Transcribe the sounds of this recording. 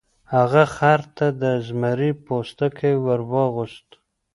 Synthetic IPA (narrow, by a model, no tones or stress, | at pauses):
haɣaxɑɾt̪ad̪əzmaɾipost̪akʰejwəɾwəɣʊʃt̪